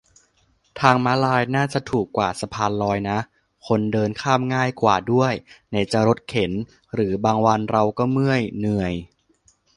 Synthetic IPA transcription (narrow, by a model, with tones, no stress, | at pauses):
t̪ʰaː˧ŋma˦˥laː˧jnaː˥˩t͡ɕa˨˩t̪ʰuː˨˩kːwaː˨˩sa˧pʰaː˧nlɔː˧jna˦˥ʔ | kʰo˧ndɤː˧nkʰaː˥˩mŋaː˥˩jkwaː˨˩du˥˩əjna˧˩jt͡ɕa˨˩ɾo˦˥t̪̚kʰe˩˦n | ɾɯː˩˦baː˧ŋwa˧nɾa˧wkɔː˥˩mɯ˥˩əjnɯ˨˩əj